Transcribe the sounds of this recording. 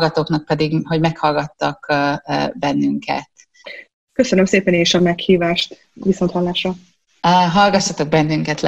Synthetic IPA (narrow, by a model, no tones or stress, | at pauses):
ɡɒt̪oːknɒk̚pɛd̪iɡɦo̞ɟmɛkhɒlɡɒt̪ːɒk | bɛnːyŋkɛ̰t̪ | køsønømseːpɛneːʃɒmɛkhiːvaːʃt̪ | viso̞nt̪hɒlːaːʃrɒ | ɦɒlɡɒʃːɒt̪o̞ɡ̚bɛnːyŋkɛt̪l